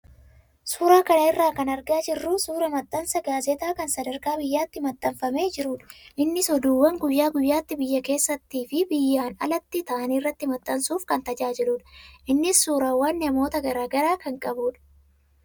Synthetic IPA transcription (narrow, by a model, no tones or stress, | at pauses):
suːɾaːkɐnɐɪrːaːkɐnɐɾɡaːd͡ʒɪrːusuːɾɐmɐt̪ʼːɐnsɐɡaːzɛt̪aːkɐnsɐd̪ɐɾkaːbɪjːaːt̪ːɪmɐt̪ʼːɐmfɐme̞ːd͡ʒɪɾuːᶑɐ̥ʔɪnːɪsɔd̪uːwːɐŋɡʊjːaːɡʊjːaːt̪ːɪbɪjːɐke̞ːsːɐt̪ːiːfɪbɪjːaːnɐ̰lɐt̪ːɪt̪ɐʔɐnirːɐt̪ːɪmɐt̪ʼːɐnsuːfkɐnt̪ɐd͡ʒaːd͡ʒɪluːᶑɐ̥ʔɪnːɪsːuːɾaːwːɐnːɪɐmo̞ːt̪ɐɡɐɾaːɡɐɾaːkɐŋkʼɐbuːᶑɐ̥